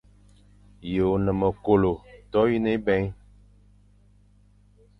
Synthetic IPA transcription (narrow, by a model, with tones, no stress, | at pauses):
je˨o˨nə˨mə˨ko˨lo˨tɔ˦ji˦ne˦bɛ̃˦ɲ˦